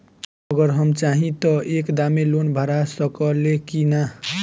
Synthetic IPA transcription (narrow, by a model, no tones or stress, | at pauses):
ʌɡəɾɦʌmt͡ʃaɦĩt̪ʌʔekd̪amelonbʱəɾasəkəlekina